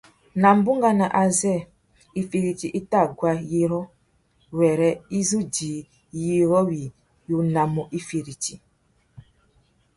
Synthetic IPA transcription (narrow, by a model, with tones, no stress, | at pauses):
na˨m̩˦bu˦ŋɡa˦na˨ʔa˨zɛ˦˨ | i˨fe˨ɾi˨ti˨ʔi˦ta˦˨ɡwa˦ji˦ɾɔ˦ | wɛ˨ɾɛ˦i˦zu˦diː˨ | ji˦ɾɔ˦wi˨ | jo˨na˨mɔ˨ʔi˦fe˨ɾi˨ti˨